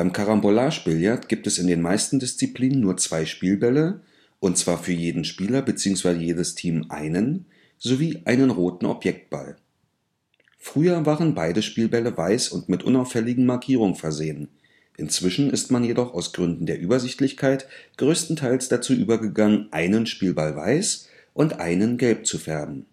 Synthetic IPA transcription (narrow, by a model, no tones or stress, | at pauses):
b̥aɪmkʰaʁambolaːʃbɪljatɡ̥iːp̚tɛsɪndeːnmaɪstn̩dɪst͡sipl̥iːnənːuːɐt͡sv̥aɪʃpiːlbɛlə | ʔʊntt͡sv̥aːɐfyːɐjeːdn̩ʃpiːlɐbət͡siːʊŋsv̥aɪzəjeːdəstʰiːmʔa̰ɪnən | z̥oviːʔaɪnənʁoːtn̩ʔɔ̰pjɛk̚t̚b̥a̰l | fʁ̥yːɐvaːʁənbaɪdəʃpiːlbɛləvaɪsʊntmɪtʔʊ̰naʊfɛlɪɡŋ̩maɐkʰiːʁ̞ʊŋəfɛɐzeːən | ʔɪnt͡sv̥ɪʃn̩ɪstmanjedɔχaʊsɡ̥ʁʏndn̩deːɐʔyːbɐzɪçtlɪçkʰaɪtɡ̥ʁøːstn̩tʰaɪlsd̥at͡suːʔyːbɐɡəɡaŋənʔaɪnənʃpiːlbalva̰ɪs | ʔʊntʔa̰ɪnənɡɛlp̚t͡sufɛɐbm̩